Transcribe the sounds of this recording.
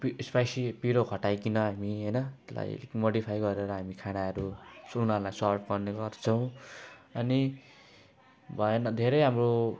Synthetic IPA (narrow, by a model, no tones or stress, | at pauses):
pispajsipiɾokʰʌʈajkinʌɦamiɦʌjnʌt̪ela̰j̰moɽipʰajɡʌɾeɾʌɦamikʰaɽaʌɾusunalajsʌrpʰɡʌrneɡʌrt͡sʰʌw̃ʌni | bʱʌenʌd̪ʱeɾʌjɦamro